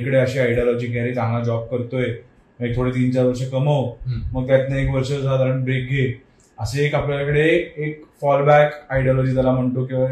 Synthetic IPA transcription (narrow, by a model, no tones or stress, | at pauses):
ikəɽeəɕeaiɽjɔlɔd͡ʑiːɡʱaɾid͡zãŋɡad͡ʑɔb̚kəɾt̪oje | məit̪ʰoɽet̪int͡ɕaɾʋəɾʂəkəməwməɡ̚t̪jat̪naekʋəɾʂəd͡zʱad̪ʱaɾəɳbɾek̚ɡʱe | əseːkapljalakəɽeːkfɔlbækaiɖijɔlɔd͡ʑiːt̪jalam̤əɳt̪okĩʋa